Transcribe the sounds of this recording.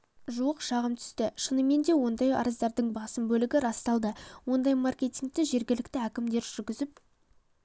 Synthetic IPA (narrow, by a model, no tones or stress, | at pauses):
ʒuəqʃɑʁəmt̪ʰʏ̥st̪ɪʃənəme̞nd̪e̞wo̞nd̪ɑjɑ̰ɾəzd̪ɑɾd̪əɴbɑsəmbɵlɪɡʲɪɾɑst̪ɑlˠd̪əwo̞nd̪ɑjmarkʲe̞t̪ʲiŋk̚t̪ɪʒe̞ɾɡʲɪlɪkt̪ɪækʲɪmd̪e̞ɾʒʏɾɡʲɪzɪp̚